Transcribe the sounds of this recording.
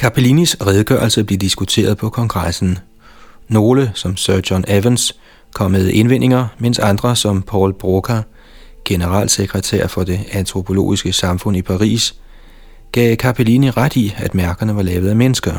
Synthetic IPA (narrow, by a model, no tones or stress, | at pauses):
kʰɑpʰelinisʁɛð̞ˠɡ̥œ̰ɐlsəæb̥liːd̥isɡ̥ut͡sʰe̝̰ːɐð̞ˠpʰɒ̽kʰɒ̽ŋɡ̥ʁasn̩ | no̝ːləsɒ̽msɶɐd̥ɒnʔeʋəns | kʰɒ̽m̰eðˠʔe̝nʋen̰ʔe̝ŋɐmen̰sɑ̈nd̥ʁɐsɒ̽mpʰɒ̰ːlb̥ʁokʰæ | ɡ̥e̝nəʁɑ̰̈ːlseɡ̥ʁət͡sʰæ̰ɐfɒ̽d̥e̝ænt͡sʰʁo̝pʰo̝lo̝̰ːisɡ̥əsɑ̈mfɔ̽n̰ipʰɑ̈ʁḭːs | ɡ̥ɛːkʰɑpʰeliniʁad̥iæd̥mæɐɡ̥ɐnəʋɑ̈lɛːʊð̩ˠæmenəsɡ̥ɐ